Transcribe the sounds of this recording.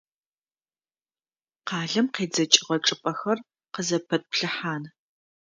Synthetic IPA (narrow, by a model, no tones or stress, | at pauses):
qɑːɮɐmqeːd͡zɐt͡ʃʼɪʁɐʈ͡ʂʼɨpʼɐxɐr | qəzɐpʰɐt̚pɬɨħaːn